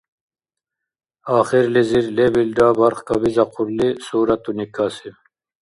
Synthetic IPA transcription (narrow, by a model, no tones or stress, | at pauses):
ɑːχiɾliziɾlebilɖɑːbɑɾχkabizɑqʰuɾlisuːɾat̪unikaːsi